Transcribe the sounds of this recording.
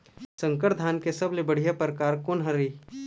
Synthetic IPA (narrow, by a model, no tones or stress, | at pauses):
sə̃ŋkəʈd̪ʱaːnkesɐblebəɽ̤ijapɾəkaːɾkoːnɦɐɾiː